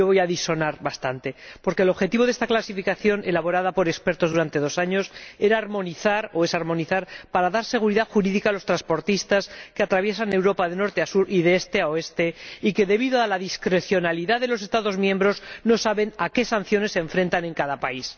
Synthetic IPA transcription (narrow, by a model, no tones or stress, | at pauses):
oβo̞jaðiso̞naɾβast̪ant̪e̞po̞ɾkelo̞βxe̞t̪iβo̞ð̞e̞st̪aklasifikaθjo̞nʔelaβo̞ɾaðapo̞ɾe̞kspe̞ɾt̪o̞zðuɾant̪e̞ð̞o̞saɲo̞se̞ɾaɾmo̞niθaɾo̞e̞saɾmo̞niθaɾpaɾaðaɾse̞ɣ̞uɾiðaxuɾiðikalo̞st̪ɾanspo̞ɾt̪ist̪askeat̪ɾaβje̞sane̞wɾo̞paðeno̞ɾt̪easuɾiðeest̪e̞aoe̞st̪e̞ike̞ðe̞βiðoalaðiskɾe̞θjo̞naliðaðe̞lo̞s̬e̞st̪aðo̞zmjẽmbɾo̞zno̞saβe̞nake̞san̟θjo̞ne̞sːe̞ɱfɾe̞nt̪ane̞ŋkaðapais